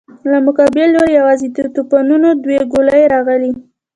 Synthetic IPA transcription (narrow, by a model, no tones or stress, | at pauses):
lamʊkɑbɪloɾjawɑzit̪t̪opɑnunod̪weɡolajeɾɑɣəli